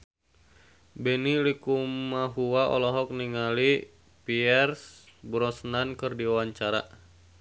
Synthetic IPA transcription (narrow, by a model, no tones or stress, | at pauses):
bɛnilikumaɦuwaʔɔ̰lɔɦɔk̚niŋali | piɛrsbɾɔsnankɨrdiawaɲt͡ʃaɾa̰